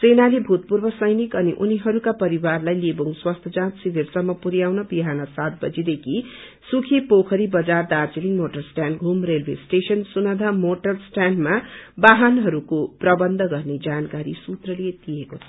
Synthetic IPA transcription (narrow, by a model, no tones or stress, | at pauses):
senalebʱut̪̚purbʌsʌjnikʌniʔuniɦʌɾukapʌɾiwarlajlebuŋswast̪ʰʌd͡zãt̪sibʱirsʌmːʌpuɾjawnʌbiɦanʌsat̪̚bʌd͡zid̪ekʰi | sukʰepokʰʌɾibʌd͡zard̪art͡siliŋmoʈʌrsʈanɡʱumrelbʱesʈesʌnsunʌd̪ʱamoʈʌrsʈanmabaɦanɦʌɾukoprʌbʌnd̪ʱʌɡʌrned͡zankaɾisut̪rʌliet̪ijekot͡sʰʌ̥